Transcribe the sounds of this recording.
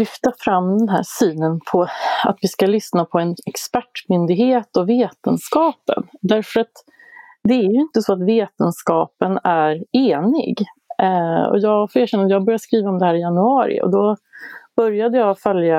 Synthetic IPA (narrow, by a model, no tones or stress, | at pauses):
lʏft̪afɾamːd̪ɛnɦæ̰ːsyːnənpʰɔa̰t̪vɪskalʏsnapʰɔɛnɛkspæʈːmʏnd̪ɪɡheːt̪ɔveːt̪ənskɑːpə̰nd̪æɾfœɾat̪ | d̪ɛæɾjɵɪnt̪əsɔat̪veːt̪ənskɑːpənæɾeːnɪ̰ɡ | ɔ̰jɑːɡfoːɾeːɾɕɛnːajɑːɡbœɾjaskɾiːvaɔmd̪ɛhæːɾɪjanɵɑːɾɪ̰ɔ̰d̪ɔb̥œɾjad̪əjɑːfœlja